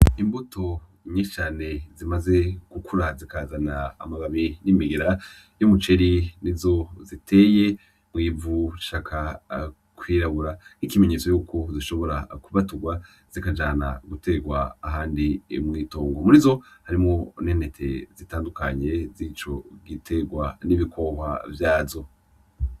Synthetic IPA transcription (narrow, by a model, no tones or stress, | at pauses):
imbutʰo̞ | ɲet͡ʃaːne̞zimaze̞ɡ̥ukʰuɾazikaːzana̰ːmaɡaβinimiɡeɾa | jomut͡ʃe̞ɾinizo̞zitʰe̞ːje̞ | mwiːvuʃaːkʰa | kwiːɾaβuɾanikime̞ɲe̞ːt͡sojuːkʰo̞ziʃo̞βo̞ɾa̰kuβatuɡwa | z̥ikad͡ʒaːna̰ɡutʰe̞ɡwaːɦaːndimŋiːto̞ːŋɡo̞muɾizo̞haɾimŋo̞nenetʰḛzitaːndukaɲe̞zit͡ʃo̞ɡitʰe̞ɡwaniβikʰo̞hwa̰vjaːvzo̞